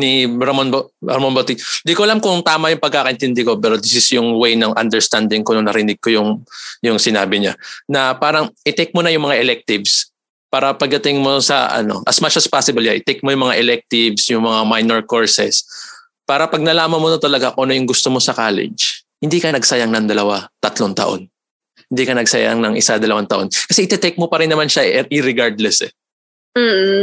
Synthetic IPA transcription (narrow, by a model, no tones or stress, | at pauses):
nibɾɐmonbo | ɐmonbot̪ind̪ikoɐlamkʊŋt̪aːmɐjʊŋpɐɡ̚kaːkɐʔɪnt̪ɪnd̪ɪko̞pɛɾod̪ɪsɪsjʊŋwejnɐŋʔɐ̰nd̪ɛɹst̪and̪ɪŋkonoŋnɐɾɪnɪɡ̚ko̞jʊŋjʊŋsɪnaːbɪɲa̰nɐpaːɾɐŋʔɪt̪ɛk̚monɐjʊŋmɐŋaʔɛlɛk̚t̪ɪvs | paːɾɐpɐɡ̚d̪ɐt̪ɪŋmo̞sɐ̰ʔɐ̰no̞̰ʔɐsmat͡ʃɐspasɪbɐljaʔɪt̪ɛk̚mojʊŋmɐŋaʔɛlɛk̚t̪ɪvsjʊŋmɐŋamajnɛɹko̞ɹsɛs | paːɾɐpɐɡ̚nɐlaːmɐnmonɐt̪ɐlɐɡaʔonojʊŋɡʊst̪omo̞sɐkaːlɪ̰d͡ʒhɪnd̪iːkɐnɐɡsɐjaŋnɐŋd̪ɐlɐwat̪ɐt̪loŋt̪ɐ̰ʔo̞̰n | hɪnd̪ikɐnɐɡ̚sɐ̰ja̰ŋnɐŋʔɪsad̪ɐlɐwaŋt̪ɐʔo̞nkɐsɛʔɪt̪ɛt̪ɛk̚mopɐɾɪnːɐmanʃaʔʔɪɾɪɡaɹd̪lɛsɛ̰ | m̩ː